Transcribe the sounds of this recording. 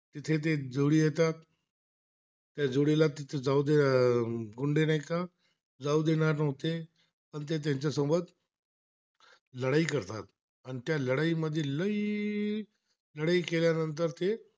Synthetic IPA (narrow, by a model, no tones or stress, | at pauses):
t̪ɪt̪ʰet̪̬ed͡zoːɽiet̪at̪̚ | jad͡zoːɽilat̪ɪt̪ʰed͡zaud̪e | ɡʊɳɖenaikã | d͡zaːud̪enaɾnəɦot̪e | pənt̪̬et̪̬eɦɪ̃ɲt͡ɕasõmbət̪ | ləɽaːikəɾt̪a̰ːt̪̚ | ənt̪jaləɽaiməd̪ʱjeləi | ləɽaːikeːljanə̃nt̪̬əɾt̪e